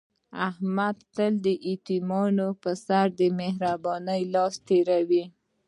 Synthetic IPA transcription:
ahmad̪t̪əld̪əʔit̪imɑnopəsaɾd̪əmehɾabɑnəjlɑst̪eɾawi

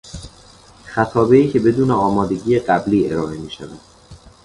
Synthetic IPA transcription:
xæt̪ʰɒːbe̞iːcʰe̞be̞d̪uːneɒːmɒːd̪e̞ɟiːjeɢæbliːeɾɒːʔe̞miːʃævæ̰d̪̥

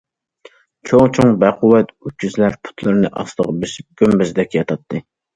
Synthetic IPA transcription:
t͡ʃʰoŋt͡ʃʰoŋbɛqʰʊwɛt̪yːyzlæɾpʰu̥t̪ʰlˠɨɾɨnɨʔɑ̰slˠəʁəbeʃɪp̚ɡ̥ʲømbɪzd̪ɛkʲjɑt̪ʰɑt̪ʰːɨ

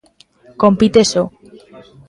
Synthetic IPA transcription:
kompit̪eso

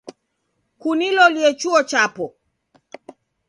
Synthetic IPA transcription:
kunilɔliɛt͡ʃuɔt͡ʃapɔ

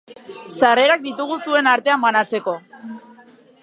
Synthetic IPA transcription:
sare̞ɾak̚d̪it̪uɣ̞usue̞naɾt̪e̞ambanat͡se̞ko̞

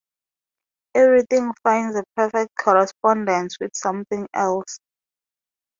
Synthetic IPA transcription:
ɛvɹiθĩŋfãjndzəpʰɛfɛk̚t̚kʰɔɹɛspɔ̃ndɛ̃nswiθsãmθĩŋɛls

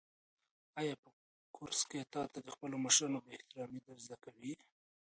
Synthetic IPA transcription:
ajɑpə | kʰʊɾsket̪ɑt̪ad̪əxpəloməʃɾɑnob̪əɪht̪ɪɾɑmid̪aɾzd̪akawi

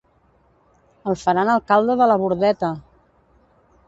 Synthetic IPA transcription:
əlˠfəɾanəlˠkalˠd̪əðələβ̞uɾðɛt̪ə

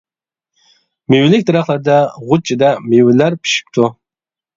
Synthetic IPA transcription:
mewɪlɪk̚ʲt̪ʰɪɾɑχlˠæɾd̪ɛʁʊt͡ʃʰid̪ɛmewɪlæɾpʰi̥ʃi̥p̚t̪ʰu

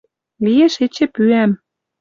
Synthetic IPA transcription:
lijeʃet͡ɕĕpyæm

